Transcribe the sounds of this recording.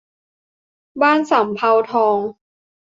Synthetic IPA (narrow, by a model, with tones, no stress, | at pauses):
baː˥˩nsa˨˩˦mpʰa˧wt̪ʰɔː˧ŋ